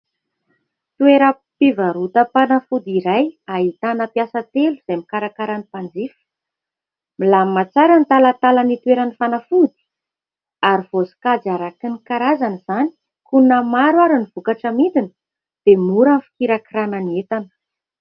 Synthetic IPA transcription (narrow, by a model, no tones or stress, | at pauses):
t̪ueɾə | pivaɾut̪əpanafud̪iɾajaɦit̪anəpjasət̪eluz̥emikaɾakaɾanipand͡zifə̥ | milamat͡saɾanit̪alat̪alanit̪weɾanifanafud̪i̥ | aɾiv̥osi̥kad͡zaɾakinikaɾazaniz̥ani̥ | kunəmaɾwaɾinivukaʈ͡ʂəmint̪inə̥ | d̪̥emuɾanfi̥kiɾakirananiet̪anə̥